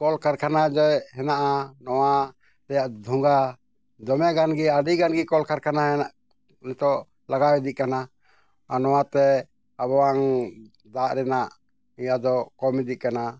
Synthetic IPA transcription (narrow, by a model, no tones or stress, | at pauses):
kɔlkaɾkanad͡ʒɔjɦɛnaʔanɔwa | t̪ajaʔd̪ʱuŋɡa | d̪ɔmɛɡanɡiaɖiɡanɡikɔlkaɾkanaɦɛaʔ | nɛt̪ɔ | laɡawɛd̪iʔ̚kana | anɔwat̪ɛ | aβɔwaŋ | d̪aʔɾɛnaʔ | ijad̪ɔkɔmɛd̪iʔ̚kana